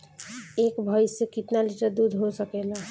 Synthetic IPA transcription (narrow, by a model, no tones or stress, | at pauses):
ekbʱəjsekit̪naliʈəɾd̪ud̪ʱɦosəkela